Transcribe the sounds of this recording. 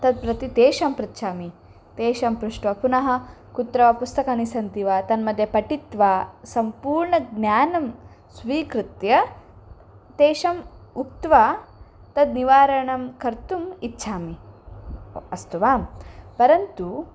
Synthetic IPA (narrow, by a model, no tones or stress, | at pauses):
t̪ɐd̪̚pɾɐt̪it̪eːʃɐmpɾɐt̪ːʃʰaːmi | t̪eːʃɐmpɾuʂʈʋɐpunɐɦɐ̆ | kut̪ɾɐʋapust̪ɐkɐnisɐnt̪iʋaːt̪ɐnmɐd̪ʱjɐpɐʈit̪ʋaːsɐmpuːɾɳɐɡnʲjaːnɐm | sʋiːkɾɪt̪jɐ | t̪eːʃɐmuk̚t̪ʋaː | t̪ɐd̪niʋaːɾɐɳɐmkɐɾt̪umitːʃʰaːmi | ɐst̪uʋaːmpɐɾɐnt̪u